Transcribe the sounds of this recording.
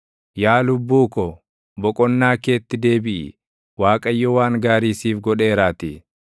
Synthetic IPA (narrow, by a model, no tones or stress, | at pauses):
jaːlʊbːuːkɔ | bɔkʼɔnːaːke̞ːt̪ːɪd̪e̞ːbɪʔɪ̰ | waːkʼɐjːɔwaːŋɡaːɾiːsiːfɡɔᶑeːɾaːt̪ɪ